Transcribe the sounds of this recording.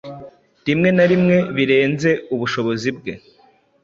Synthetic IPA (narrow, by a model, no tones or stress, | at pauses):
dimŋe̞naɾimŋe̞βiɾe̞ːnze̞uβuʃo̞βo̞zib̚ɡe̞̰